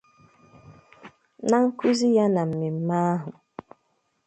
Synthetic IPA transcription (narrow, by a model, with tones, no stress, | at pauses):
na˦ŋ̩˦ku˦zi˦ja˦na˨m̩˨mi˨m̩˦ma˦ɦʊ˨